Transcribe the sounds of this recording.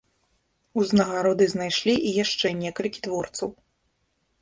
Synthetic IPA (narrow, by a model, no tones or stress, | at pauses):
uznɐɣaɾɔd̪ɨznajʂlʲiʔijaʂt͡ʂɛnʲɛkɐlʲkʲi̥t̪vɔrt̪sɐw